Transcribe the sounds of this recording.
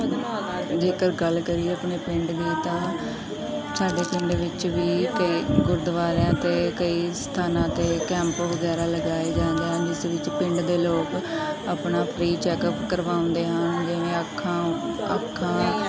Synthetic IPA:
d͡ʒeːkəɾɡəlkəɾieːəpneːpɪ̃ɳɖd̪eːt̪ãː | saːɖeːpɪ̃ɳɖʋɪt͡ʃʋiːkəiːɡʊɾd̪ʋaːlãːt̪eːkəiːst̪ʰaːnãːt̪eːkɛ̃ːmpʋəɡɛːɾaːləɡaːeːd͡ʒãːnd̪eɛd͡ʒɪsʋɪt͡ʃpɪ̃ɳɖd̪eːloːkaːpnaːpʰɾiːt͡ʃɛːkəpkəɾʋaːʊ̃ːnd̪eːɦənd͡ʒɪnẽːəkʰːãːə̰kʰːãː

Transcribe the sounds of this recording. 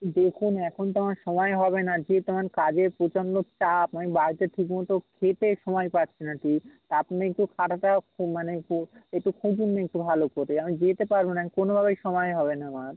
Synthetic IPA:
d̪ekʰunɛkʰont̪̬amaɾʃɔmɔeɦɔβenad͡ʑet̪omaɾkad͡ʑeɾpɾot͡ɕont̪ot͡ɕapamibaɾit̪eʈʰikmɔt̪okʰet̪eʃɔmɔjpatːɕʰinaʈit̪apniek̚ʈukʰaʈʰaʈakʰumaneuek̚ʈukʰud͡ʑunːeek̚ʈubʱalokoɾeamid͡ʑet̪epaɾbonamikonobʱaβejʃɔmɔeɦɔbenaamaɾ

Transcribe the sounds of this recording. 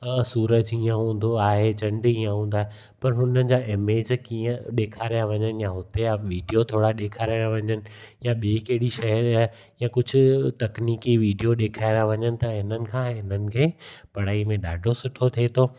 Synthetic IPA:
suːɾəd͡ʑiːə̃ɦũːn̆d̪oaːɦed͡ʑɐ̃ɳɖiːə̃ɦũːnd̪aːɦe | pɐɾɦʊnənɪ̆d͡ʑaːʔɪmeːd͡ʑkiːə̃ɗeːkʰaːɾijaʋɐɲənɪ̆jaɦʊt̪eaʋiːɖijot̪ʰoːɽaɗeːkʰaːɾaːjaʋɐɲənɪ̆jaɓeːkeɦɽiʃɐɦəɾaɦ | jãkʊd͡ʑʱʊ̆t̪ɐkniːkiʋiːɖijoɗeːkʰaːɪɾãʋɐɲənɪ̆t̪ɐɪnənɪ̆kʰãːɪn̤ənɪ̆kʰeːpɐɽ̤aːimẽɗaːɖʱosʊʈʰot̪ʰeːt̪ʰoː

